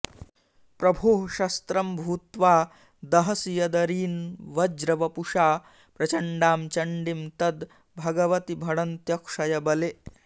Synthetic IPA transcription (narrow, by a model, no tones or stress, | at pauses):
pɾɐbʱoːɦʃɐst̪ɾɐmbʱuːt̪ʋaː | d̪ɐɦɐsijɐd̪ɐɾiːnʋɐd͡ʒɾɐʋɐpuʂaː | pɾɐt͡ʃɐɳɖaːmt͡ʃɐɳɖimt̪ɐd̪ | bʱɐɡɐʋɐt̪ibʱɐɽɐnt̪jɐkʂɐjɐbɐle